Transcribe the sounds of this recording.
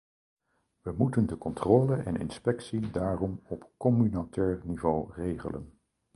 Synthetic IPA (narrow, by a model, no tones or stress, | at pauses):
ʋəmutəndəkɔntroːləʔɛnɪ̰nspɛksidaːrɔmɔpkɔmynatʰɛːɹnivowrejχə̰lə̰n